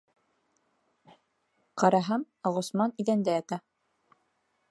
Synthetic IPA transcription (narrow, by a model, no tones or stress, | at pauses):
qɑɾɑɦɑm | ɑʁŏsmɑniðænd̪ææt̪æ